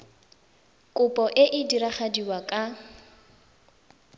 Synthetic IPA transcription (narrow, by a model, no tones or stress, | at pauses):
kʼʊpʼɔʔɪʔɪdiɾaχadiwakʼa